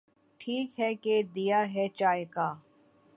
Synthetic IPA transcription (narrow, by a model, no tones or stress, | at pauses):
ʈʰiːkɦɛked̪ijaɦɛt͡ʃaːjkaː